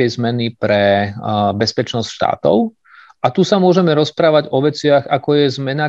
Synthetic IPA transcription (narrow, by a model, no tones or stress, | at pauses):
ɛzmɛnipɾɛ | bɛspɛt͡ʃnɔscʃt̪a̰ːt̪ɔ̰ʊ | ʔat̪usamʊɔʒɛmɛɾɔspɾaːʋaɟɔʋɛt͡sɪaɣakɔjɛzmɛna